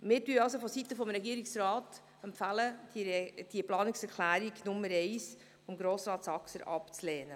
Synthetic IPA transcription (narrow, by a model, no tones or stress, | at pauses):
mɪːɾtyəɑls̬ofɔsit̪əfɔmɾɛɡiːəɾiksɾɑːt | ɛmpfælə̥ | d̥iəplɑːnɪksɛɾkʰlæːɾiɡnʊmːəɾɛɪs | fɔmɡɾoːsɾɑːtsɑksəɾʔɑpt͡slɛːnə